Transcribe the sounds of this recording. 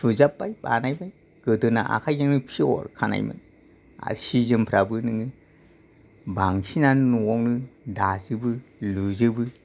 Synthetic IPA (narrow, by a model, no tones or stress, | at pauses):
suzapːajbanajbaj | ɡ̥ɯdɯnaʔa̰kʰajzaŋnɯpʰiɔ̰ɾkʰana̰jmɯ̰n | a̰ɾsizɯmpʰɾabɯnɯŋɯ | baŋsinanɯnuŋɔŋnɯdazɯbɯluzɯbɯ